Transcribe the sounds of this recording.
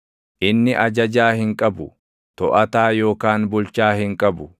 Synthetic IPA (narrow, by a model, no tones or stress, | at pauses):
ʔɪnːɪʔɐd͡ʒɐd͡ʒaːhɪŋkʼɐbʊ | t̪ɔʔɐt̪aːjo̞ːkaːnbʊlt͡ʃaːhɪŋkʼɐbʊ